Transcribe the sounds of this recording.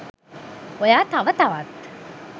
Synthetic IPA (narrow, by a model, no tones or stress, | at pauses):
ojaːt̪aʋət̪aʋat̪